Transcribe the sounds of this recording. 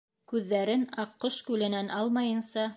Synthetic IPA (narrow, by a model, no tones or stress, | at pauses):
kʉðːæɾɘnɑqːoʃkʉlɘ̆nænʔɑlˠmɑjɤ̆nsɑ